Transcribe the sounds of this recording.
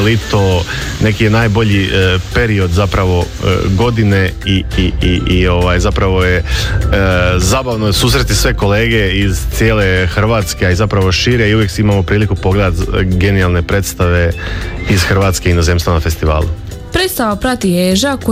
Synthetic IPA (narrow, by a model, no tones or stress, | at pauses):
lit̪one̞kijenaːjbo̞ʎipe̞ɾio̞d̪zapɾaʋo̞̰ | ɡo̞d̪ine̞iiiio̞ʋajzapɾaʋo̞je | zaːbaʋnosuːs̬ɾe̞t̪isʋe̞koleːɡe̞izt̪sjeːle̞xr̩ʋaːt̪skeaizapɾaʋo̞ʃiːɾe̞iuʋje̞ksimamo̞pɾiːlikupo̞ɡled̪at̪ɡe̞nijalˠne̞pɾe̞ːt̪st̪aʋe̞iz̥xr̩ʋaːt̪ske̞ino̞zemst̪vanafe̞st̪iʋa̰ːlṵ | pɾeːt̪st̪aʋapɾat̪ijeʒak